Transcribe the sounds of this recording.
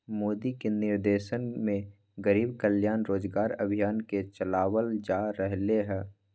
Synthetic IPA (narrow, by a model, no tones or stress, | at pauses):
moːd̪ikenɪɾd̪eːʃənmẽ | ɡəɾiːbkəljaːnɾoːd͡ʒɡaːɾə̰bʱijaːnket͡ʃəlaːwəld͡ʒaːɾəɦleɦɛː